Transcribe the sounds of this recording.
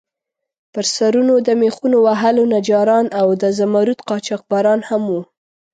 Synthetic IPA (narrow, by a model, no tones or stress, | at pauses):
pəɾsaɾunod̪əmexunowaɦalonad͡ʒɑɾɑnawd̪əzamaɾut̪qɑt͡ʃɑq̚bɑɾɑnhamwu